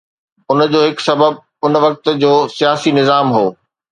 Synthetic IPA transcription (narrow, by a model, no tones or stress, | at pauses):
ʊnəd͡ʑoːɦɪksɐbəb̚ | ʊnʋɐk̚t̪d͡ʑoːsijaːsinɪzaːmɦoː